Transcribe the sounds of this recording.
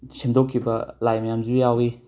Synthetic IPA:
simdokʰːibɐlajmɐjamzujawi

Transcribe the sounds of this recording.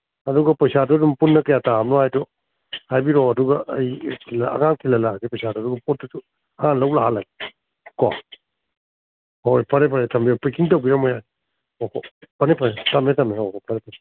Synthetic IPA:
ɐduɡɐpɐjsadodumpunːɐkɐjataamlɔajdɔ | hajbiɾoɐduɡɐʔɐjkʰilɐɐ̰ɡaŋkʰilɐlaɡipɐjsadɔduɡɐpot̚ːutu | hãnlɐwlaɦalaɡ | kɔ | hojpʰɐɾepʰɐɾetʰɐmbiopikiŋtowbiɾɐmojaj | okopɐnepʰaɾetɐmɾetamneopʰɐɾepʰɐɾe

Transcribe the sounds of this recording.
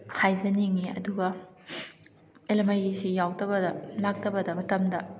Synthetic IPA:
hajzɐniŋiɐ̰duɡɐ | elemajisijawdɐbɐdɐlak̚tɐbɐdɐmɐtɐmdɐ

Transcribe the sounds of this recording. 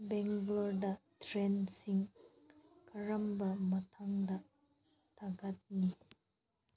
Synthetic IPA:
bɛŋɡlɔɹd̪ɐtʰɾɛnsiŋ | kʰaɹambɐmɐt̪ʰaŋd̪ɐ | t̪ʰaɡat̪̚ni

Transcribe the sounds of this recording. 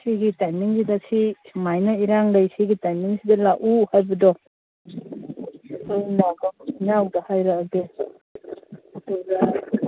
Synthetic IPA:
siɡitajmiŋsidasimajnɐiɾaŋdejsiɡitajmiŋsidɐlaʔuhajbɐdɔ | sanaɡanawdɐhajɾaɡe | ɐdɔɡa

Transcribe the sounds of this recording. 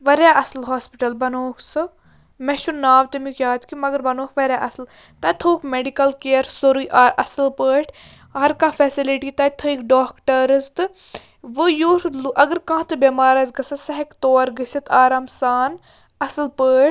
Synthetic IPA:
ʋɐɾʲaːʔɐslɦaːspiʈɐlbɐnoːksɨ | mɛʃunaːʋt̪emikʲjaːt̪kimɐɡɐɾbɐnoːkʋɐɾʲjaʔɐsl | t̪ɐːt̪ʰoːkmeɖikɐlkeːɐɾsoɾujʔaːɾʔɐsɨlpəːʈʰ | hɐɾkãːfʰɛsiliʈit̪ɐːt̪ʰəikɖaːkʈɐɾɨst̪ɨ | ʋɨjuːɾluʔɐɡɐɾkãːt̪ɨbemaːɾɐzɡɐsɐsɐɦɐkt̪oːɾɡəsɐt̪aːɾaːmsaːn | ɐsɨlpəːʈ

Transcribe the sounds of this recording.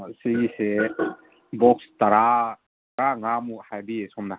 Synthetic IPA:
siɡise | bɔk̚st̪aɾa | kaŋamuhajbiesɔmna

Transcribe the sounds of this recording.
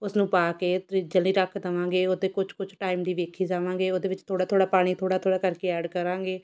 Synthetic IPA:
ʊsnũːpaːkeːt̪ɾiːd͡ʒəlnĩːɾəkʰd̪əʋãːɡeːoːd̪eːkʊt͡ʃʰkʊt͡ʃʰʈaːɪmd̪iːʋeːkʰiːd͡ʒaːʋãːŋɡeːoːd̪eːʋɪt͡ʃt̪ʰoːɽaːt̪ʰoːɽaːpaːɽ̃iːt̪ʰoːɽaːt̪ʰoːɽaːkəɾkeːɛːɖkəɾãːɡeː

